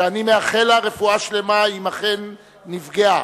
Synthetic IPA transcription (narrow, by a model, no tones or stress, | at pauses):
animeaχe̞laʁe̞fuaʃle̞maimaχe̞nː | ifɡea